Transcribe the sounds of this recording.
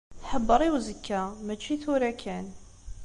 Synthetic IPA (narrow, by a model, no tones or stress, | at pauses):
ħəbːəɾˤiwzəkːæmæt͡ʃːiθuɾækʰæn